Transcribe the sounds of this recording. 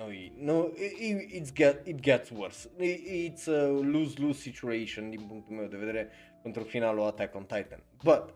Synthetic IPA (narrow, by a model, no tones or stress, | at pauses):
noinoiitsɡɛtit̪ɡɛt̪swəɾsiːt̪sluzlusːit͡ʃuejʃõnd̪impunt̪omɛod̪əved̪eːɾe | kont̪ɾofinaːloat̪akːɔnt̪ajt̪a̰n | bat̪